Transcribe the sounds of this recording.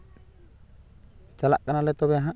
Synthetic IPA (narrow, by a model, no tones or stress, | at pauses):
t͡ʃalaʔkanalɛt̪ɔbɛaɦa